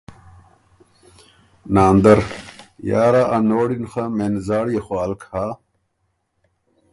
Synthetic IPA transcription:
naːnd̪ɐɾjaːɾaʔanoːɽinxameːnzaːɽjexwaːlkʰaː

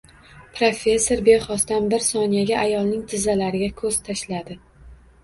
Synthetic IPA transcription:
pʰɾofʲe̞sːo̞ɾbeχɒst̪anbɪɾsɒnijaɡʲaʔajɒlˠnɪŋt̪ʰɪzalaɾɪɡʲakʰɵzt̪ʰaʃlad̪ɪ

